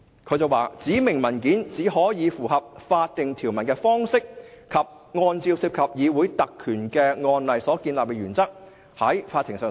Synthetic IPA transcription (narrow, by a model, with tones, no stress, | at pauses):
kʰɵ˨˧ɥt͡sɐ˨waː˨t͡siː˨˥mɪ˨˩ŋmɐ˨˩nkiː˨˥nt͡siː˨˥hɔː˨˥jiː˨˧fuː˨˩ɦɐ˨p̚faː˧t̚t̪ɪ˨ŋt̪ʰiː˨˩wmɐ˨˩nkɛː˧fɔː˥ŋsɪ˥k̚kʰɐ˨p̚ | ŋɔː˧nt͡siː˧wsiː˧p̚kʰɐ˨p̚jiː˨˧wuː˨˥jt̪ɐ˨kʰːyː˨˩nkɛː˧ŋɔː˧nlɐ˨jsɔː˨˥kiː˧nlaː˨p̚kɛː˧ɥyː˨˩nt͡sɐ˥k̚ | hɐ˨˥jfaː˧t̪ʰːɪ˨˩ŋsœː˨˩